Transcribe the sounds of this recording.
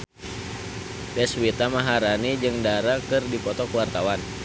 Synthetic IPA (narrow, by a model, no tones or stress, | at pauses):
bɛswit̪amaɦaɾanid͡ʒɨŋdaɾakɨrdipɔt̪ɔkəwart̪awan